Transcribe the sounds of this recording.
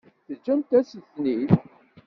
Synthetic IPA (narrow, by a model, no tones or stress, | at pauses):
θəd͡ʒːæmt̪æsiθniθ